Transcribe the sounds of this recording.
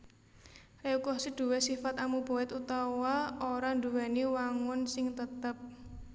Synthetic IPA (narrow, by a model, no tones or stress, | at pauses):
reukɔhsid̪̥ṳwɛsifat̪amub̥o̤ɛt̪ut̪awaoɾand̪uwɛniwaŋʊnsɪŋt̪ət̪əp̚